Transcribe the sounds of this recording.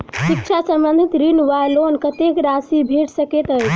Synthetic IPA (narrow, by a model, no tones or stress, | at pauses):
sik̚t͡ʃʰasə̃mbənd̪ʱit̪ɾinʋalonkət̪ekɾasibʱeʈsəket̪əjt͡ʃʰ